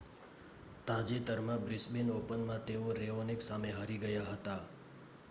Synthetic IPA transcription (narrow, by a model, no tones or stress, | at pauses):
t̪ãd͡ʒet̪əɾmãbɾisbenopənmãt̪eoɾeʋoneksameɦəɾiɡəjaɦət̪a